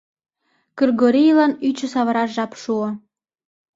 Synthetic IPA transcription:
kyrɡoɾijlɑnyt͡ɕə̆sɑβəɾɑʃʒɑpʃuŏ

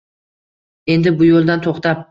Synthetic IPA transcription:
e̞nd̪ɪbʊjolˠd̪ant̪ʰoχt̪ʰap̚

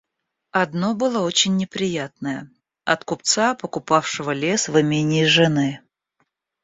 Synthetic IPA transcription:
ɐd̪no̞bɨlˠəot͡ɕɪnʲːɪpɾʲɪjat̪nəjə | ɐ̰t̪kʊp̚t̪sapəkʊpafʂɨvəlʲe̞svɨmʲenʲɪːʐɨnɨ

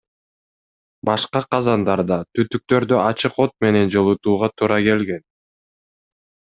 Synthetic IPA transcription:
bɑʃqɑqʰɑzɑnd̪ɑɾd̪ɑt̪yt̪yk̚t̪ø̞ɾd̪øɑt͡ʃɯqo̞t̪̚me̞ne̞nd͡ʒo̞lˠut̪uːʁɑt̪ʰuːɾʔɑke̞lɡe̞n

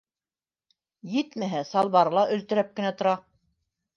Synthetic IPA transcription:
jɘt̪mæɦæsɑlˠβɑɾ̆lˠɑʔɵ̆lt̪ɘ̆ɾæp̚kɘ̆næt̪ŏɾɑ

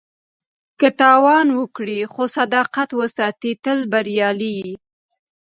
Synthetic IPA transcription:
kət̪ɑwɑnwəkɽixosad̪ɑqat̪wəsɑt̪it̪əlbaɾjɑli

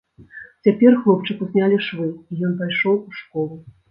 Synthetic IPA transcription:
t͡sʲapʲɛrxlˠɔpt͡ʂɨkuzʲnʲalʲiʂvɨijɔnp̬ajʂɔwuʂkɔlˠu

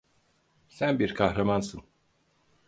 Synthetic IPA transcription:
sænbiɾkʰahɾamansɯn

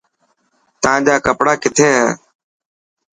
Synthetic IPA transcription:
t̪ãːʄaːkəpɽaːkɪt̪ʰẽːɦɛː

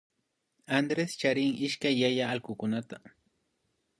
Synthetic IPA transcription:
and̪ɾest͡ʃaɾɪŋɪʃkajːajaːlkʊkʊnat̪a

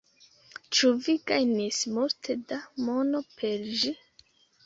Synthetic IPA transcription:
t͡ʃuviɡajnismultʰe̞damo̞no̞pʰe̞ɾʒi

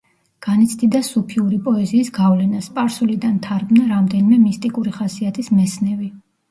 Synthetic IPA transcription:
ɡ̥anit̪sʰd̪id̪asupʰiuɾipʼɔɛziːsɡavlɛnaspʼaɾsulid̪ant̪ʰaɾɡnaɾamd̪ɛnimɛmist̪ʼikʼuɾiχasiat̪ʰismɛsnɛvi

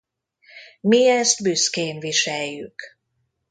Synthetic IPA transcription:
miɛst̪byskeːnviʃɛjːy̰k

